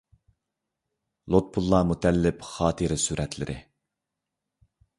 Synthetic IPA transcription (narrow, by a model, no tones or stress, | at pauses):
lˠot̪̚pʰulˠːɑmut̪ʰɛlːɪpχɑːt̪ʰɨɾɪsyɾʔɛt̪ʰlɪ̰ɾʔɪ̰